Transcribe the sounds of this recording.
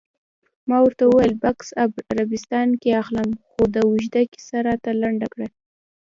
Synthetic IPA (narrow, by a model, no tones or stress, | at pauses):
mɑwəɾt̪awəwajlbaksabaɾabɪst̪ɑnkeaxlamxod̪əwuʒd̪aki̥saɾat̪alaɳɖakɽa